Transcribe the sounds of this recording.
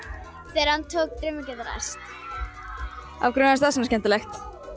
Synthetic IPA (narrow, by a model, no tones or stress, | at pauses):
θɛɾhant̪ʰoːk̚t̪ɾɪmɪcɛðɾɛ̰st̪ | a̰vkɾʏnast̪asɛnascɛnt̪ɪlɛxt̪